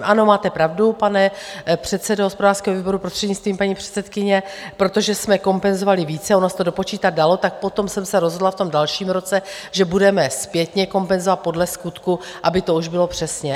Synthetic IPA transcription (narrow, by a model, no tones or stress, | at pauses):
ʔano̞maːt̪ɛpɾavdupanɛpr̝̥ɛt̪sɛdoɦospo̞daːrskɛːɦo̞viːbo̞ɾupɾost̪r̥ɛdɲɪt͡st̪viːmpaɲiːpr̥ɛ̥t̪sɛt̪kɪɲɛpɾo̞t̪o̞ʒɛsmɛko̞mpɛnzo̞valɪviːt͡sɛonost̪o̞dopo̞t͡ʃiːt̪at̪̚dalo̞t̪ak̚po̞t̪o̞msɛmsɛɾozɦodlaft̪o̞mdalʃiːmɾo̞t͡sɛ | ʒɛbudɛmɛspjɛt̪ɲɛko̞mpɛnzovat̪̚po̞dlɛskut̪ku | ʔabɪt̪o̞uʒbɪlo̞pr̝̥ɛsɲɛ